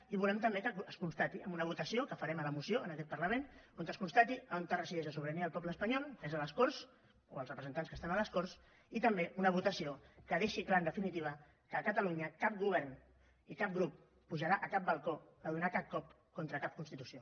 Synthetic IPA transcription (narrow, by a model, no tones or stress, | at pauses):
iβulɛmt̪əmbekəːskunst̪at̪iəmbunəβ̞ut̪əsiokəfəɾɛmələmusioənəkɛt̪̚pɐɾləmenoŋk̪əskunst̪at̪iəont̪ərəsiðɛʒəsuβɾəniəlˠpɔpləːspəɲɔlˠkəezələskors | oəlˠrəpɾəzənt̪anskəst̪anələskors | it̪əmbeunəβ̞ut̪əsiokəðeʃiklaənd̪əfinit̪iβ̞ə | kəːkət̪əluɲəkap̚ɡuβ̞ɛɾn | ikap̚ɡɾupː | uʒəɾaʔəkap̚bəlˠko | əðunakap̚kɔp̚ | kont̪ɾəkap̚kunst̪it̪usio